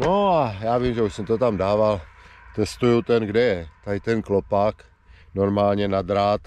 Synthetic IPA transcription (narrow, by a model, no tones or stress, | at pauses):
noajaːvimʒɛuʃsɛmt̪ot̪amdaːvalt̪ɛst̪ujut̪ɛnɡdɛjɛt̪at̪ɛnklopak | noɾmaːlɲɛnad̪ɾaːt̪